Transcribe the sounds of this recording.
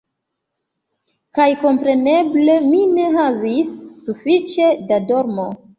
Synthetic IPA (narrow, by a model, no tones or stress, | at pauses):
kajko̞mpɾe̞ne̞ble̞mine̞ɦavisːufit͡ʃe̞dado̞ɾmo